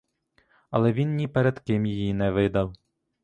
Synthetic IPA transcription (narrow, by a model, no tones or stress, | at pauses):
ɐ̰lˠɛʋʲinnʲipɛɾɛd̪kɪmjijinɛʋɪd̪ɐw